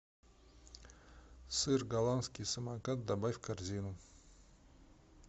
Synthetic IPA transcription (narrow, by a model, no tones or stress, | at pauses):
sɨrɡalˠanskʲisɨmakat̪̚d̪abajfkʰarzʲinu